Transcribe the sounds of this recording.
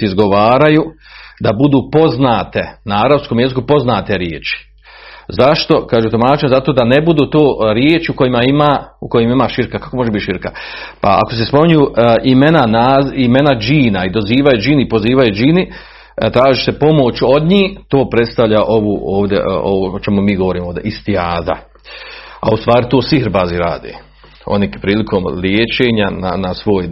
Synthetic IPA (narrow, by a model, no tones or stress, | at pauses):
izɡo̞ʋaːɾajud̪abud̪uːpo̞znaːt̪e̞naaɾaskomje̞zikupo̞znaːt̪e̞ɾjḛːt͡ʃi̥ | zaʃt̪o̞kaːʒuːt̪omaːt͡ʃiɲzat̪o̞ːd̪ane̞bud̪uːt̪oːɾjeːt͡ʃiuko̞jimaimaukojimaimaʃiɾkakḁkomoʒebit̪ʃiɾka | pa̰a̰ko̞s̬espo̞mɲujuʔime̞nanaime̞nad͡ʒiːnaid̪o̞ziːʋajud͡ʒiːnipo̞ziːʋajud͡ʒiːni | t̪ɾaːʒise̞po̞mo̞t͡ʃo̞d̪ɲiːt̪o̞ːpɾe̞t̪st̪aʋʎaʔo̞ʋuoːʋd̪ʲḛʔoʋoot͡ʃemumiːɡo̞ʋoɾiːmod̪eʔist̪iaːza̰ | a̰ust̪ʋaːɾit̪o̞ːsiɦɾbaziɾaːd̪ḛː | o̰nipɾiːlikʰo̞mljeːt͡ʃe̞ːɲana̰nasʋo̞ːj